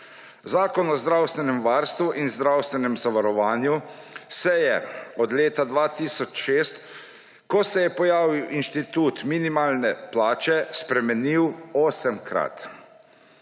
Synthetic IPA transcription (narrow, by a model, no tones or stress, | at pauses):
zaːkɔnɔzd̪ɾawst̪ʋɛnɛmʋaːɾst̪ʋuʔinzd̪ɾawst̪ʋɛnɛmzaʋaɾɔʋaːnjusɛjɛɔd̪leːt̪ad̪ʋaːt̪iːsɔt͡ʃʃeːst̪ | kɔsɛjɛpɔjaːʋiwʔinʃt̪it̪uːt̪minimaːlnɛplaːt͡ʃɛspɾɛmɛniwɔːsɛmkɾa̰t̪